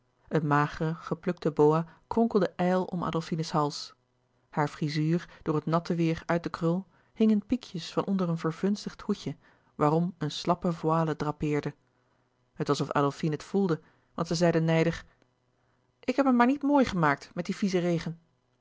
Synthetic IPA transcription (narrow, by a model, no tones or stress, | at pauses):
ʔənmaːχərəχəplɵk̚təbowakrɔŋkəl̩ˠdəʔɛjlˠɔ̰mʔa̰ːdəlˠfinəsɦɑlˠs | haːɹfrizyːɹd̥ʊːɹətnɑtəʋɪːɹœɥt̚dəkrɵlˠ | hɪŋənpikʰjəsfɑnʔɔndərənvəɹvɵnstəχthucə | ʋaːrɔmənslɑpəvwaːlədrapɪːɹdə | hətʋɑsɔfa̰ːdəlˠfinətfulˠdə | ʋɑ̰ntsɛzɛjdənɛjdəχ | ʔɪkɦɛpəmaːɹnitmoːjχəmaːk̚tmɛt̚difizərejχən